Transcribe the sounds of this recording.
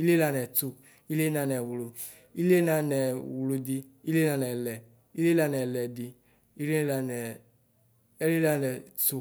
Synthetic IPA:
i˦le˦la˧˨nɛ˨tu˧ | i˦le˦na˧˨nɛ˨wu˨lu˧ | i˦le˦na˧˦nɛ˨wu˨lu˧di˧ | i˦le˦na˨˧˨nɛ˨lɛ˨ | i˦le˦la˧˨nɛ˨lɛ˨di˧ | i˦le˦la˧nɛ˨ | ɛ˦le˦la˧nɛ˨tu˧

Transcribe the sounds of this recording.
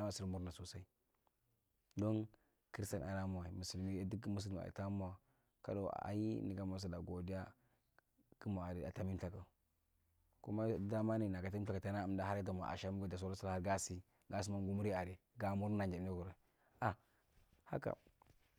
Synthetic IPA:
a˦ma˨si˦ɾmu˦ɾna˨so˨sa˦i˦ | do˦n | ki˦sta˨na˨ɾa˦ma˨wi˨mu˨si˨lni˦di˦kmu˦s̬i˦l̰ḭ˨ta˦mu˦a˨ | ka̰˦do̰˨a̰˨ji˦ni˨ɡa˨ma˨s̬a˨da˨ɡo˨di˦a˦ | ki˦ma˨a˨ɾi˨a̰˨ta˦mi˦ɬa˨ka˨ | ku˦ma˦da˦ma˦ni˦˨na˨ka˨ta˨ka˨ta˨na˦a˨mda˦ɦa˦ɾi˦t̬a˨m˨a̰˨ʔa̰˨ʃa˦mu˦ɡo˦˨da˨s̬o˦ɾa˦sa˦la˦ha˦ɾɡa˦si˦ | ɡa˦s̬i˦ma˦n˦ɡu˦mu˦ɾi˦a˨ɾe˨ | ɡa˨mu˦ɾna˨d͡ʒa˨˦i˦ku˨ɾa˨ | a˨ | ha̰˦ka̰˨

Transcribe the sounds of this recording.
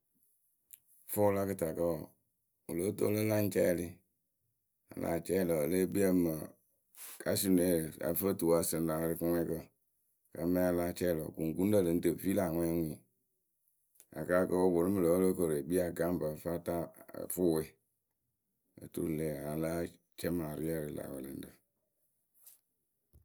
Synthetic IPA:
fo˦la˦kɨ˦ta˨kə˦˨ | o˨lo˦to̰˦lə˦la˦n˦t͡ʃɛ˦˨li˦ | a̰˨lʔa̰˨t͡ʃɛ˦˨lɔ˨le˦bi˦ə˦mə˨ | ka˦si˦˨n˨e˨˦˨a̰˨fə˦˨tu˨a˨sɨ˨n˦la˨˦ɾi˧kɨ˦ŋʷɛ˦kə˦ | ka˨mɛ̃˦a˧laː˦t͡ʃɛ˦˨lɔ̰˨ku˨ŋ˨ɡu˦n˦də˦˨lɨ˨n̩˦tə˨vi˦la˨ŋʷɛ̃˦ŋʷĩ˨ | a̰˨ka˦kə˦o˦bo˨lu˦mɨ˨lə˨wo˦lo˦kə˨ɾe˨bi˦a˨ɡa˦m˦bə˨fa˦ta˦˨fu˦˨we˦˨ | ə̰˨tṵ˦ɾle˨a˨la˦ | t͡ʃɛ˦ma˨ɾi˦a˦ɾi˨la̰˨wə̰˨lə̰˨˦n̩˦tə˨

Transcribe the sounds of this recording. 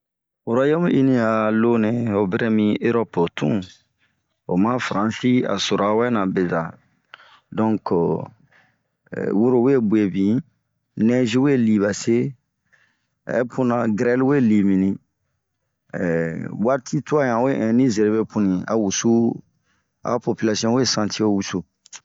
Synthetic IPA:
wu˨ɾa˦jo˦m˦i˦nĩ˦a˨lo˦nẽ˨o˨bɛ˦ɾe˦mĩ˦e˦ɾɔ˦po˨tʰṵ̃˦ | o˨mã˦fɾã˨si˦a̰˨so˨ɾa˨wɛ˦nã˨be˨za˨ | dɔ̃˦ŋk | wu˦ɾo˨we˦bu˨e˨bĩ˨ | nɛ̃˦ʒi˦we˦li˨βa˨se˦˨ | ɛ̰˦pũ˦nã˨ɡɾɛ˦lwe˦li˨mĩ˨nĩ˦ | wa˦ɾtʰi˦tu˦a˦jã˨we˦ʔɛ̃˨nĩ˦ze˨ɾe˨be˦pũ˦nĩ˨a̰˨wu˨su˦ | a̰˨po˨pi˦la˨sijɔ̃˦we˦sã˨te˦o˦˨wu˨su˨

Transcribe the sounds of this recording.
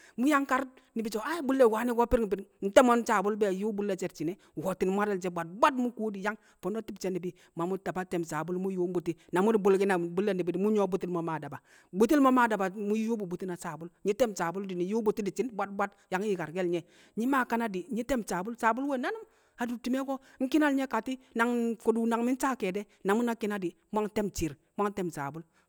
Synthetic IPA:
mu˦ja˦ŋka˦ɾ | ni˨bi˨t͡ʃo˨a˦bu˦lːe˨waː˨˦ni˦ɡɔ˦piɾŋ˨bi˨dn̩˦tɛ˦mɔ˦nt͡ʃa˨bu˦lbɛ˦˨ju˦bu˦lːɛ˦t͡ʃɛ˨t̚t͡ʃi˨nɛ˨˦ | wɔ˨ti˨n˨mu˦a˦ɾɛ˦lt͡ʃ̬ɛ˦bʷa˨t̚bʷa˦tmu˦ku˦di˨ja˦ŋ | fɔ˨no˦ti˦bt͡ʃɛ˦ni˨bi˨˦ | ma˨mu˦ta˨pa˦tɛ˨msa˨bu˦lmu˦ju˦mbu˨ti˦na˨mu˦di˨bu˨lɡi˦na˨bu˦lːe˦ni˨bi˨di˨mu˦ɲɔ˦bu˦ti˦lmo˨ma˨da˨ba˨ | bu˦ti˦lmo˦ma˦˨da˨ba˨mu˦ju˦bu˨bu˨ti˦na˨sa˨bu˦lɲi˦tɛ˦msa˨bu˦ldi˨ni˨ju˦bu˨ti˦di˨t͡ʃi˦nbʷa˦t̚bʷa˦t | ja˨˦ŋ˦i˨ka˨ɾɡe˦lɲɛ˨ | ɲi˦ma˦ka˦na˦di˨ɲi˦te˦mt͡ʃa˨bu˦lsa˨bu˦lwe˦na˦nu˦ | a˨du˨ti˨me˦ko˦ŋ̩˦ki˦na˦lɲe˦ka˨ti˦na˨ŋko˨du˨na˨ŋmi˦n˦t͡ʃa˦ke˨dɛ˦ | na˨mu˦na˦ki˦na˦di˨ | mʷ˦a˦ŋ˦te˦mt͡ʃi˨ɾ | mʷa˦ŋ˦te˦msa̰˨bu˦l

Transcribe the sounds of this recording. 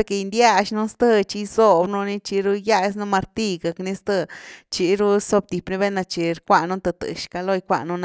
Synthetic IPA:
e˧ke˧nd̪ja˦˧ʃnu˦st̪ə˧t͡ʃi˧so˧bnu˧ni˧t͡ʃi˧ɾu˧ja˦˧s̬nu˧ma˧ɾt̪i˦˧ɡa˨kni˧˦st̪ə˧t͡ʃi˧ɾu˦so˧b̚t̪i˨pni˧˦be˦na˧t͡ʃi˨ɾkʷa˧nu˦t̪a˧t̪ɨ̰˨ʃka˧lo˧jkʷa̰˧˨nu˧n˧

